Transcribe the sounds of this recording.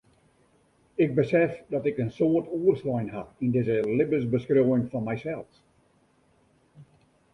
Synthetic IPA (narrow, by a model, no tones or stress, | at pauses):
ɪɡ̚bəsɛfdɔtɪkənsoərtʰuərslɔjnɦaindɪzəlɪbəsbəskroːʋɪŋfɔnmɛjsɛlˠfs